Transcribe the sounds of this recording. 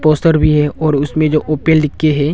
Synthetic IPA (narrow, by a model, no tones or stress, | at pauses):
poːsʈəɾbʱiɦɛɔːɾʊsmẽd͡ʒoːʔoːpeːlɖɪkːeɦɛː